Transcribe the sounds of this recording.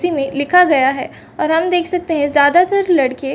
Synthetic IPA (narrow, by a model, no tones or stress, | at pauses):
simẽlɪkʰaɡɐjaɦɛː | ɔːɾɦɐmd̪eːkʰsɐk̚t̪eɦɛ̃zjaːd̪at̪əɾlɐɽke